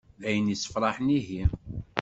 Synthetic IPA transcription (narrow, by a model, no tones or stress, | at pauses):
æjənisə̥fɾˤɑħəniɦi